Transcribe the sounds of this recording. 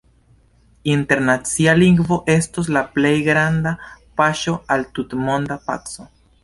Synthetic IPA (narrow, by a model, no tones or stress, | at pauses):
inte̞ɾnat͡sialiŋɡvo̞ʔe̞stos̬laple̞jɡɾandapaʃo̞altutmo̞ndapa̰t͡so̞